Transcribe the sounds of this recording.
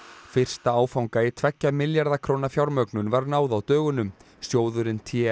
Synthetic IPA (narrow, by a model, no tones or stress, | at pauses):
fɪr̥st̪aaːwfawŋkaɪt̪ʰvɛcːamɪljaɾðakʰɾoːwnafjawɾmœknʏnvaɾnaːwðawt̪œːɣʏnʏm | sjoːwðʏɾɪnt̪ʰɛ